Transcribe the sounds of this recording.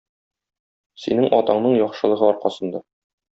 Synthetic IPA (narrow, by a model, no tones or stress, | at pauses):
sḭnɘŋʔɒt̪ɑɴnɤɴjɒχʃɤ̆lˠɤ̆ʁɤɒɾqɑsɤ̆nd̪ɑ